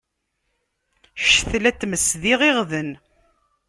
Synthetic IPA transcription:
ʃθlæt͡sːməsðiʁɪʁðən

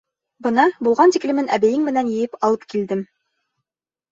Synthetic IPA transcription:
bɤ̆nɑbulˠʁɑnt̪iklɘ̆mɘnʔæbæjɘŋmɘ̆nænjɘ̆jɘpɑlˠɤpkild̪ɘm

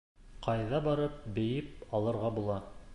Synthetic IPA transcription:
qʰɑjðɑbɑɾɤp̚bɘ̆jɘp̚ɑlˠɤ̆ɾʁɑbulˠɑ

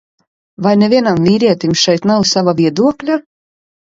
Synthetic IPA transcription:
vajnevʲiɛnamvʲiːɾiɛt̪imʃɛjt̪nawsavavʲiɛd̪uɔklʲa

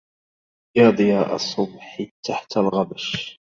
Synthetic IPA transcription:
jɑːd̪ˤɨjaːʔɑ̰sˤːʊbħɪt̪ʰːaħt̪alɣabaʃ

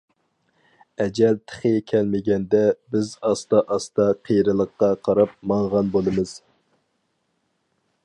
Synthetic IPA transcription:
ɛd͡ʒɛlt̪ʰə̥χɪjekʲʰɛlmɪɡʲɛnd̪ɛbɪzɑst̪ɑʔɑst̪ɑqʰejɾɨlˠəqːɑqʰɑɾɑp̚mɑɴʁɑnbolˠɨmɨz̥

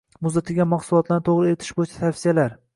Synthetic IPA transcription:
mʊzd̪at̪ʰɪɡʲamaχsʊlˠɒt̪ʰlanɪt̪ʰoʁɾɪe̞ɾɪt̪ʰɪ̥ʃbojɪt͡ʃʰḁt̪ʰafsijalaɾ

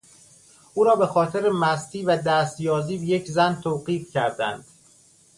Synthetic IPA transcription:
ʔuːɾɒːbe̞xɒːt̪ʰeɾemæst̪ʰiːvæd̪æːst̪jɒːziːbeje̞cʰzænt̪ʰoːɢiːfcæɾd̪æ̰nd̪̥

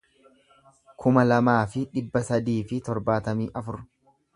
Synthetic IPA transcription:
kʰʊmɐlɐmaːfɪᶑɪbːɐsɐd̪iːfɪt̪ɔɾbaːt̪ɐmiːʔɐfʊɾ

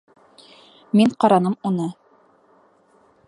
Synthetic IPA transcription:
miɴqɑɾɑnɤmunɤ

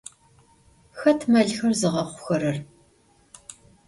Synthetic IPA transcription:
xɐtʰmɐɮxɐrzɨʁɐχʷʊ̥xɐɾɐr

